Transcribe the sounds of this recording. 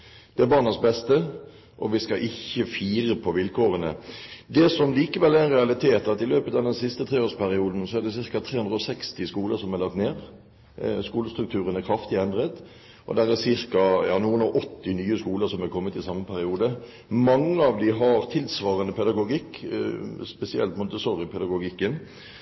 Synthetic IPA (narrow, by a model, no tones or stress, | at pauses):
d̪̥ɛæɾbɑʁnɑsbɛst̪ə | ʔɔʋɪskɑʔɪçːəfiːʁəpʰɔʋɪlkʰoːʁənə̰d̪ɛsɔmliːkəʋɛlːæɪnʁɛɑlɪt̪ʰeːt̪ɑt̪ɪløːpət̪ɑʋd̪ɛnsɪst̪ət̪ʰʁeːoːspʰæɾɪuːd̪n̩sɔæʁd̪ɛsɪʁkɑt̪ʰɾeːʉnʁəɔsɛkst̪ɪskuːləsɔmæʁlɑk̚t̪neːʁ | skuːləst̪ɾʉk̚t̪ʰʉːʁənæɾkʰɾɑft̪ɪɛnd̪ʁət̪ | ʔɔ̰d̪æɾæsɪɾkɑjɑ̰ːnuːənɔʔɔt̪ːɪnyːəskuːləɾsɔmækʰɔmːət̪ɪsɑmːəpʰæɾɪuːd̪ə | mɑŋːəɑʋd̪ɪɦɑɾt̪ʰɪlsʋɑːʁənəpʰɛd̪ɑɡʊɡɪkːspɛsɪɛ̰lt̪mʊnt̪əsɔʁjəpʰɛd̪ɑɡʊɡɪkːən